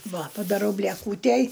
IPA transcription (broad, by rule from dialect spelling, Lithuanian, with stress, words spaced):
ˈʋɐ pɐdɐˈrɐʊ bʲlʲiɛˈkuːtʲæj